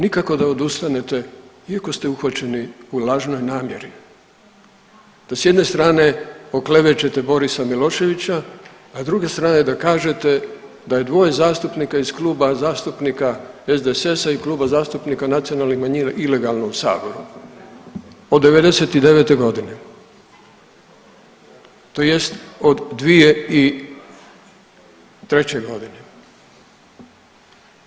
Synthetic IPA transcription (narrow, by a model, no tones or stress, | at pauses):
nikako̞d̪ao̞d̪ust̪ane̞t̪e̞ | iako̞st̪e̞uxʋat͡ɕe̞niulaːʒno̞jnaːmje̞ɾi | d̪̥asjed̪ne̞st̪ɾaːne̞o̞kle̞ʋet͡ɕe̞t̪e̞bo̞ɾisamilo̞ːʃe̞ʋit͡ɕaː | zd̪ɾuɡe̞st̪ɾaːne̞d̪akaːʒe̞t̪e̞ | d̪aje̞d̪ʋo̞je̞zaːst̪upnikaizkluːbazaːst̪upnikaezd̪esesaikluːbazaːst̪upnikanat̪sijo̞nalnixmaɲiːnaʔile̞ɡalˠnousa̰ːbo̞ɾu | od̪ːe̞ʋe̞d̪e̞set̪id̪e̞ʋe̞t̪e̞ɡo̞d̪ine̞ | t̪oːjest̪o̞d̪ːʋiei | t̪ɾet͡ɕe̞ɡo̞d̪ine̞